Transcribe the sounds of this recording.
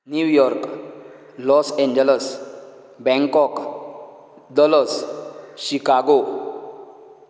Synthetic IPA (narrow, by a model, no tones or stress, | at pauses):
njuʋjɔɾk | lɔsẽɲd͡ʑələs | bɛ̃ŋkɔk | d̪ələsɕikaɡo